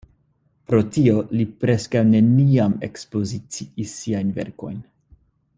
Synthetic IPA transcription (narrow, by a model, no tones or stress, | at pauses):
pɾo̞tio̞lipɾe̞skawne̞niame̞̰kspo̞zit͡siisːiajnve̞̰ɾko̞̰jn